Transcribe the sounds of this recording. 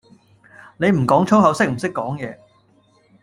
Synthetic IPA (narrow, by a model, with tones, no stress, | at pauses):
ne˨˧jm̩˨˩kɔː˨˥ŋt͡ʃʰo˥whɐ˨˧wsɪ˥k̚m̩˨˩sɪ˥kːɔː˨˥ŋjɛː˨˧